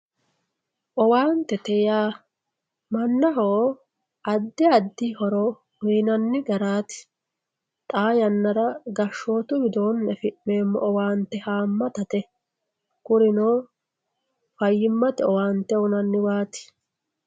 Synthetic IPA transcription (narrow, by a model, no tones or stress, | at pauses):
ʔɔwaːnt̪ːɛt̪ɛjaː | mɐnːɐɦoː | ɐd̪ːɪɐd̪ːɪhɔɾɔ | wiːnɐnːɪɡɐɾaːt̪ɪ̥ | t̪ʼaːjɐnːɐɾɐɡɐʃːo̞ːt̪ʊɡɪd̪oːnːɛfɪʔmeːmːɔ̰ʔɔwaːnt̪ːɛhaːmːɐt̪ɐt̪ɛ | kʊɾɪnoː | fɐjːɪmːɐt̪ɛɔwaːnt̪ːɛɔnɐnːɪwaːt̪ɪ̥